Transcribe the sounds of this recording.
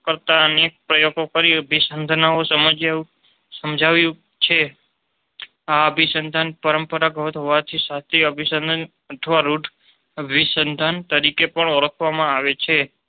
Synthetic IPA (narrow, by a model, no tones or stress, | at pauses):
kəɾt̪aənek̚pɾəjoɡokəɾiəbʱisənd̪ʱnaosəmd͡ʒ | səmd͡ʒʱaʋjũ | t͡ʃʰe | aəbʱisənd̪ʱanpəɾəmpəɾaɡʱət̪ɦoʋat̪ʰisat̪ʰeəbʱisənd̪ʱən | ət̪ʰʋaɾuʈʰ | əbʱisənd̪ʱant̪əɾikepəɳəɾəkʰʋamãaʋet͡ʃʰe